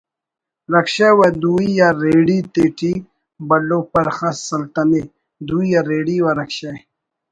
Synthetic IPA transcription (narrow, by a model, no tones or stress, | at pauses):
ɾɐkɕawad̪uijaɾeːɽit̪eːʈi | bɐlopɐɾxasɐlt̪ɐne | d̪uijaɾeːɽiwaɾɐkɕa